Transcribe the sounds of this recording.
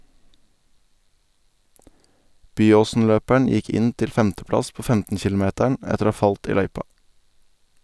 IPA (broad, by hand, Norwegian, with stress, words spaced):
ˈbyːoːsn̩ˌløːpæɳ̩ ˈjɪk ˈɪn ˈtɪl ˈfɛmtəˌplɑs ˈpoː ˈfɛmtən ˈçɪlʊˌmeːtæɳ ˈɛtəɾ ˈoː ˈhɑː ˈfɑlt ˈiː ˈlœʏpɑ